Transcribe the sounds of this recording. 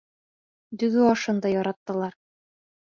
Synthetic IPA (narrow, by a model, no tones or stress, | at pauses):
d̪ɵ̆ɡɵɑʃɤnd̪ɑjɑɾɑt̪ːɤ̆lˠɑɾ